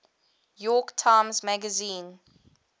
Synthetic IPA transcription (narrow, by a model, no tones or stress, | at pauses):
jɔktʰãɪ̃mzmæɡəzĩːn